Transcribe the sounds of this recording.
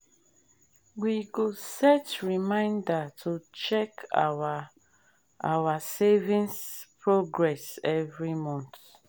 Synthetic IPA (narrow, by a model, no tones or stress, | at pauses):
wiɡosɛtɹimãɪ̃ndatʰut͡ʃɛka | ʔa̰wasevĩnspʰɹoɡɹɛsɛvɹimɔ̃nt